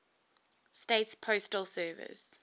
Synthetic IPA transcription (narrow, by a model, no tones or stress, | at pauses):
stetspʰoʊstəlˠsɜːvɪ̰s